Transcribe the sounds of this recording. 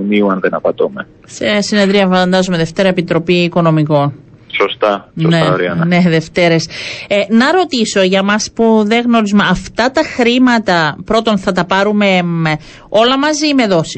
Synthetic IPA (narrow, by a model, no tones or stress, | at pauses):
miuɐnðenɐpɐt̪ome | sesine̞ðɾiɐfɐnd̪ɐzume̞ðe̞ft̪e̞ɾɐepit̪ɾo̞piːko̞no̞miko̞n | sost̪ɐsonseɐoɾiɐɐne̞ðe̞ft̪e̞ɾe̞senɐɾo̞t̪iso̞ʝɐmɐspuðeɣno̞ɾizumeɐft̪ɐt̪ɐxɾimɐt̪ɐpɾo̞t̪o̞nθɐt̪ɐpɐɾume̞ | o̞lɐmɐzime̞ðo̞si